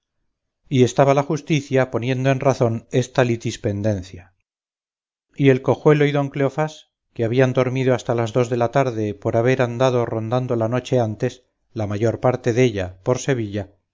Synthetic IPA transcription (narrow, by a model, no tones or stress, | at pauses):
ie̞st̪aβalaxust̪iθjapo̞nje̞nd̪oe̞nraθo̞nest̪alit̪ispe̞nd̪e̞n̟θja | ie̞lko̞xwe̞loiðo̞ŋkleofas | keaβiand̪o̞ɾmiðo̞ast̪alazðo̞zðe̞lat̪aɾðe̞po̞ɾaβe̞ɾand̪aðoro̞nd̪and̪o̞lano̞t͡ʃe̞ant̪e̞s | lamaʝo̞ɾpaɾt̪e̞ðe̞ʎapo̞ɾse̞β̞iʎa